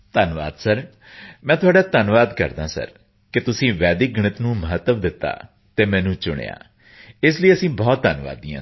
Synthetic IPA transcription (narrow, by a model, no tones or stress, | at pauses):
t̪ənʋa̰ːd̪səɾ | mɛ̃ːt̪ʊaːɖaːt̪ənʋaːd̪kə̰ɾd̪ãːsə̰ɾ | kɪt̪ʊsĩːʋɛːd̪ɪk̚ɡəɳ̃ɪt̪nũːməɦət̪ːəmd̪ɪt̪ːa̰ː | t̪eːmɛ̃ːnũːt͡ʃʊɽ̃ḛja̰ː | ɪsləiəsĩːbɔːt̪̚d̪ənʋa̰ːd̪iã̰ː